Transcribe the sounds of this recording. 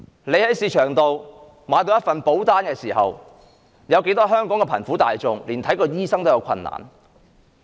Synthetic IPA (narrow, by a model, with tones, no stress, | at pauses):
le˨˧jhɐ˨˥jsiː˧t͡ʃʰœː˨˩ŋt̪o˨w | maː˨˧jt̪o˧wjɐ˥tfɐ˨npo˨˥wt̪aː˥nkɛː˧siː˨˩ɦɐ̰˨w | jɐ˨˧wke˨˥jt̪ɔː˥ɦœː˥ŋkɔː˨˥ŋkɛ˧pʰɐ̰˨˩nfuː˨˥t̪a̰ː˨jt͡sʊ˨ŋliː˨˩nt̪ʰɐ˨˥jkɔː˧jiː˥sɐ˥ŋt̪o˥wjɐ˨˧wkʰɐ̰˧nːa̰ː˨˩n